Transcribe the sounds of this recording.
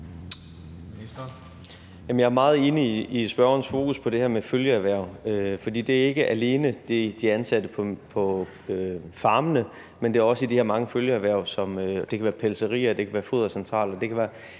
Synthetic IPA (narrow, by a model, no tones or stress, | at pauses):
jæmənjɑ̈æɐmɑ̈ːð̞̩ˠe̝ːniːsb̥ɶɐɐːnsfo̝ːkʰuspʰɒ̽d̥e̝hɛɐmeføljəæʋæɐ̰ʊøfɒ̽d̥ḭːd̥e̝æɐe̝ɡ̥əʔæle̝ːnəd̥ed̥iænsæd̥əpʰɒpʰɒ̽ | øfɑ̈ːmənə | mend̥e̝æɐɒ̽səidihɛɐ̰mɑ̈ŋəføljəæʋæɐ̰ʊsɒ̽mød̥e̝kʰæʋæːɐpʰelsəʁḭːɐd̥e̝kʰæʋæːɐfo̝ð̰ˠɐsent͡sʰʁɑ̰̈ːlɒd̥e̝kʰæʋæːɐ